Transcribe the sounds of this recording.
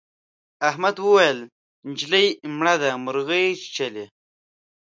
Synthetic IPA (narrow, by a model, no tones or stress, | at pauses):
ahmad̪wəwajəl | nd͡ʒləjmɳad̪amʊɾɣəjt͡ʃt͡ʃale